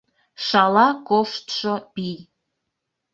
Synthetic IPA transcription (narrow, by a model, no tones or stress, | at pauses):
ʃɑlɑkoʃt̪ʃopij